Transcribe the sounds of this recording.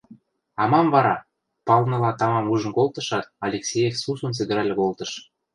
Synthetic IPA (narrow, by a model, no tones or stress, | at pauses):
ɑmɑmvɑɾɑ | pɑlnɤ̆lɑt̪ɑmɑmuʒə̆nkolt̪ə̆ʃɑt̪̚ɑlʲeksʲejefsusunt͡s̬ɘ̆ɡ̪ɘ̆ɾælʲekolt̪ə̆ʃ